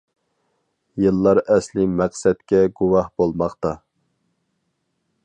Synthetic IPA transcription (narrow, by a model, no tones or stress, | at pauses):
jɨlˠːɑɾɛslɪmæqsɛt̪kʲɛɡuwɑhbolˠmɑχt̪ɑ